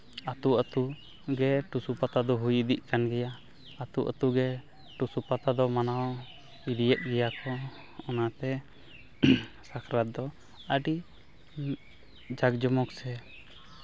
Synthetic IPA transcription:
at̪uət̪u | ɡɛʈusupat̪ad̪ɔɦujid̪iʔ̚kanɡɛjaː | t̪uʔə̰t̪uɡɛ | ʈusupat̪ad̪ɔmanaw | iɾijɛʔ̪̚ˀɡɛjakɔ | ɔnat̪ɛ | sakʰɾat̪̚d̪ɔ | əɖi | d͡ʒaɡd͡ʒɔmɔksɛ

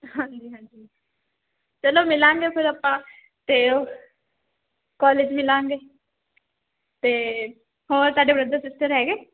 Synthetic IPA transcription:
hãːɲd͡ʒiːɦãːɲd͡ʒiː | t͡ʃəloːmɪlãːŋɡepʰɪɾapːãː | t̪eo | kɔːled͡ʒmɪlãːŋɡeː | t̪eː | ɦoːɾsaːɖebɾəd̪əsɪsʈəɾɦɛːɡeː

